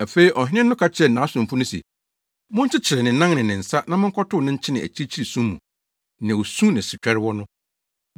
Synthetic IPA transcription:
æ˨fe˦i˨ʔɔ˨ɦᶣɪ˦ɪ̃˦nːʊ̃˦kʰa˦t͡ɕʰɛ˦˨n̩ː˨ãː˨˦sʊ̃˨m˨fʊ˦nʊ̃˦sḭ˨ | mʊ̃˦ɲ̩˦t͡ɕʰɪ˦t͡ɕʰɪ˨ɾɛ˨nɪ̃˨nã˦ŋnɪ̃˨nɪ̃˨n̩˨sa˦nã˦mɪ̃˦ŋ˦kʰɔ˦tʰʊ˦nɪ̃˦ɲ̩˦t͡ɕʰɪ˦nɪ̃˨æ̰˨t͡ɕʰi˦i˦t͡ɕʰi˦ɾi˨sũ˦mmːṵ̃˨ | nɪ̃˨o˨sũ˦nɪ̃˨sɪ˨t͡ɕᶣɛ˦ɾɪ˦wɔ˦nʊ̃˦

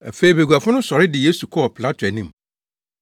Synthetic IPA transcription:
æ̰˨fe˦i˨be˨ɡʷu˨a˨fʊ̃˦nʊ̃˦sɔ˨ɾɪ˦dɪ˨je˦su˨kʰɔ˦ɔ˨pʰɪ˨la˦tʰɛ˨nĩ˦˨m˨

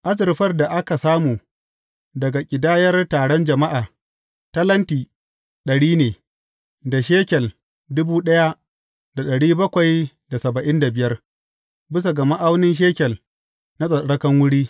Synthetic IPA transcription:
ʔa˦zɪ˨rɸɐ˦rda˨ʔa˦ka˨saː˦muː˨ | dɐ˨ɡa˨kʲʼɪ˨daː˦jɐ˦rtaː˨ɽɔ˦nd͡ʒɐ˨ma˦ʔaː˨ | tɐ˦lɐ˦ntiː˨ | ɗɐ˨ɽiː˦neː˨ | da˨ʃeː˦kʲɛ˨l | dʊ˦buː˦ɗɐ˦ja˦ | d̥a˨ɗɐ˨ɽiː˦bɐ˦kʷa˨j | da˨sɐ˨bɐ˨ʔɪ˦nda˨bɪ˨jɐ˦r | bɪ˦s̬a˨ɡɐ˨ma˦ʔa˦wnɪ˦nʃ̬eː˦kʲɛ˨l | na˦sʼɐ˨ɽɐ˦kɐ˦ŋwʊ˦ɽiː˦

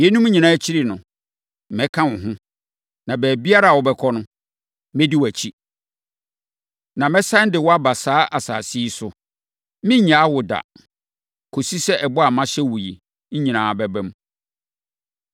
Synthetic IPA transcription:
jɛ˦nũ˦m˦ɲĩ˨nãː˨˦t͡ɕʰi˦ɾi˦˨nʊ̃˨ | mɛ˨˦kʰã˦wʊ̃˨ɦʊ̃˦ | nã˨bæː˨bi˦a˦ɾa˦˨wɔ˨bɛ˦kʰɔ˦nʊ̃˦ | mɛ̃˦di˦wæ˨t͡ɕʰi˦ | nã˨mɛ̃˦sã˦n˦dɪ˨wɔ˦a˦ba˨saː˦ʔa˨sa̰ː˨si˦sʊ˨ | mɪ̃˦ɲã˨˦a˦wʊ˨da̰˨ | kʰo˨si˦sɛ˦ʔɛ˨bɔ˦a˨mã˦ɕɛ˦wu˨ji˨ | ɲ̩˦ɲĩ˨nãː˨˦˨bɛ˦bɛ̃˦m

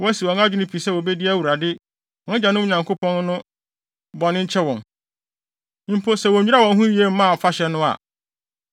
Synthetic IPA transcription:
wɔ˦si˨wɔ̃˨ŋa˦d͡ʑᶣʊ˦nɪ̃˦pʰi˨sɛ˦˨wo˨be˦di˦æ˦˨wu˨ɾa˨dɪ˦ | ɔ˨nɪ̃˦d͡ʑa˨nʊ̃˦ʊ˨ɲã˨ŋkʰo˦pʰɔ̃˦nnʊ̃˦ | bɔ˨nɪ̃˦ɲ̩˦t͡ɕʰɛ˦wɔ̃˨n˦ | m̩˦pʰo˦sɛ˨wɔ˨ɲi˦a˦˨wɔ̃˨n˦ɦũ˦ji˨e˦m̩˦mã˦˨fa˦ɕɛ˨nʊ̃˦a̰˨

